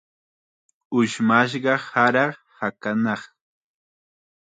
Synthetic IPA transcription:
ʊʃmaʃ̬ɢɑhaɾɑχ | hakanɑχ

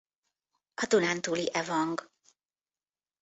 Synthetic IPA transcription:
ɒd̪unant̪uːliʔɛvɒŋɡ

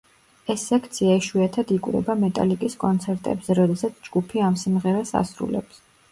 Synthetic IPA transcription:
ɛsːɛkʰt̪sʰiaiʃwiat̪ʰad̪ikʼwɾɛ̰bamɛt̪ʼa̰likʼiskʼɔnt̪sʰɛɾt̪ʼɛ̰bzɛɾɔd̪ɛsat̪sʰd͡ʒɡupʰiamsimʁɛɾasa̰sɾṵlɛ̰ps

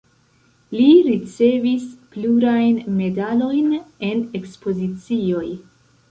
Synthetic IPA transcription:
liɾit͡se̞vispluɾajnme̞dalo̞jne̞ne̞kspo̞zit͡sio̞j

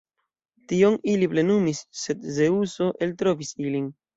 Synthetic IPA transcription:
tio̞niliple̞numisːe̞dze̞uso̞ʔe̞ltɾovisilin

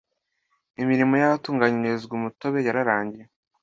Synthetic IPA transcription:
imiɾimo̞jaβatuːŋɡaɲiɾezɡumuto̞βe̞jaɾaɾaːɲɟije

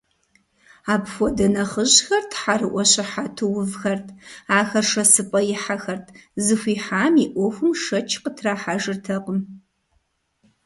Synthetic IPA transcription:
aːpfʷɔdɐnɐχəʑxɐrtʰħarɨʔʷɔɕɪħatʰɨwʊvxɐrtʰaːxɐrʂɐsɨpʼɐjɪħaxɐrtʰzɨxʷiːħaːmiʔʷɔxʷʊmʂɐt͡ʃʰqətʰraːħaʒɨrtʰɐqəm

